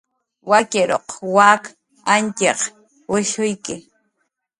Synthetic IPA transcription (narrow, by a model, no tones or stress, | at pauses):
wakɪɾo̰qwak | ant͡ʃeq | wɪʃʊjkɪ